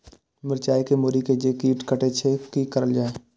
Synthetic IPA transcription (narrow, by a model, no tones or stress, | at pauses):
mɪɾt͡ʃaːikemoːɾiked͡ʒekiːʈkəʈet͡ʃʰekikəɾəld͡ʒaːe